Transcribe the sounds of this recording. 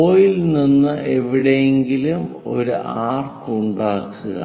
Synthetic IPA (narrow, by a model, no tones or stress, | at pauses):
oːjilninːɨʔe̞ʋiɽejeŋɡilumo̞̰ɾuʔaːrkuɳɖaːkːuɣɐ̰